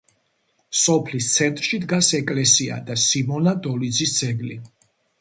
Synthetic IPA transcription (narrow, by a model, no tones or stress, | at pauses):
sɔpʰlist̪sʰɛnt̪ʼɾʃid̪ɡasɛkʼlɛsia̰d̪asimɔnad̪ɔlid̪zisd̪zɛɡli